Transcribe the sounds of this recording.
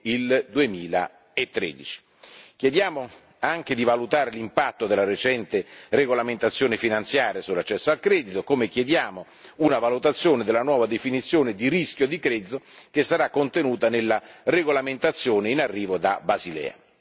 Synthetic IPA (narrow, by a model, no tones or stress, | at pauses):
ild̪uemiːla̰ | et̪ːɾḛːd̪it͡ʃi̥ | k̟jed̪jaːmo | aŋk̟ed̪ivalut̪aːɾelimpat̪ːod̪elaɾet͡ʃɛnt̪ereɡolament̪at̪sːjoːnɪfinant̪sjaːɾjasulːat͡ʃːɛsːoalkɾɛːd̪it̪okomek̟jed̪jaːmo | unavalut̪at̪sːjoːned̪ɪlːanwɔːvad̪efinit̪sːjoːnɪd̪iɾisk̟jod̪ikɾɛːd̪it̪okesːaɾakːont̪enuːt̪anelːareɡolamɪnt̪at̪sːjoːneinarːiːvod̪abazilɛ̰ːa̰